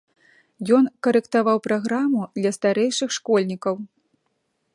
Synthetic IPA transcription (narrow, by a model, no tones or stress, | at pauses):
jɔnkɐɾɛkt̪avawpɾaɣɾamud̪lʲɐst̪aɾɛjʂɨxʂkɔlʲnʲikɐw